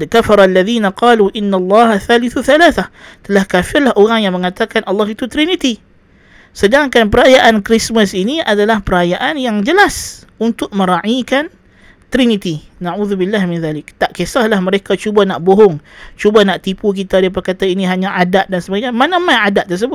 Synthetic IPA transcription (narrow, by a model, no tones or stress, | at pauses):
kafɑɾˤalːaðiːnaqɑːluʔɪnːalːɑːɦaθaːlɪθuθalaːθaht̪əlahkafɪrlahʔoɾaŋjaŋməŋat̪akanʔɑlːɑɦit̪ut̪ɾinit̪i | sədaŋkanpəɾajaʔankɾisməsiniadalahpəɾajaʔanjaŋd͡ʒəlasunt̪ʊk̚məɾaʕikan | t̪ɾinit̪inaʕuðubɪlːahmɪnðaːlɪk̚t̪aʔkesahlahməɾekat͡ʃubanaʔboɦʊŋt͡ʃubanaʔt̪ipuk̬it̪adaap̬ərkat̪ainiɦaɲaʔadaʔ̚dansəbaɡaɲamanamanadaʔt̪ːərs̬əbʊt̪̚